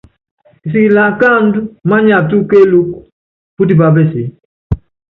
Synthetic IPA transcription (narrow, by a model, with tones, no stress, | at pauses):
i˨s̬i˨ki˨la˨ka˦˨n˦du˦ma˦ɲa˨tu˦ke˦lu˦k | pu˦di˨ba˨be˦˨si˨